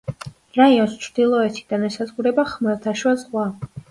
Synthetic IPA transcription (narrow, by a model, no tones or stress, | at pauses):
ɾaiɔnst͡ʃʰɾd̪̥ilˠɔɛt̪ʰid̪anɛsazʁuɾɛbaχmɛlˠt̪ʰaʃwazʁwa